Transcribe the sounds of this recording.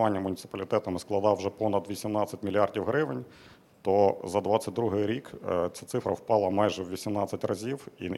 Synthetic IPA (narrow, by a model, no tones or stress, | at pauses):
ʋɑnʲːɐmʊnʲit̪sɪ̥pɐlʲit̪ɛt̪ɐmɪsklˠɐd̪ɑwʒɛpɔnɐd̪ʋʲisʲimnɑtt͡sʲːɐtʲmʲilʲiɑrdʲiwɦɾɪʋɪnʲ | t̪ɔzɐd̪ʋɑt͡sʲɐt̚ʲd̪ɾuɦɪjɾʲikt͡sʲat̪sɪfɾɐwpɑlˠɐmɑjʒɛwʋʲisʲimnɑt͡sʲɐtʲrɐzʲiwi